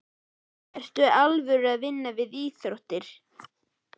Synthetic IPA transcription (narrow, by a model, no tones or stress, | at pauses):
ɛr̥st̪ʏalvʏɾaðvɪnːavɪðiːθɾoht̪ɪɾ̥